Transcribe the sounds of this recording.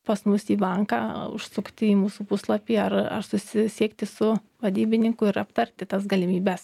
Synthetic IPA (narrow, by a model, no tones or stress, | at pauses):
pɐsmʊsiːbɐŋkɑːʊ̰ʃsʊkt̪ʲɪiːmuːsuːpʊslˠɐpʲiːɐrɐ̰rsʊsʲɪsʲiɛkt̪ʲɪsʊ | ʋɐd̪ʲiːbʲɪnʲɪŋkʊɪɾɐpt̪ɐrʲt̪ʲɪt̪ɐsɡɐlʲɪmʲiːbʲɛs